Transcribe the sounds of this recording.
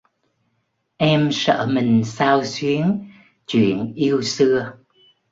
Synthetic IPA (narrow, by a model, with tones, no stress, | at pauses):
ʔɛ˧msə̰ː˧˥mï˨˩ŋ̟saː˧wswi˨˦ən | t͡ɕwḭ˧˨˩ənʔi˧əwsɨ˧ə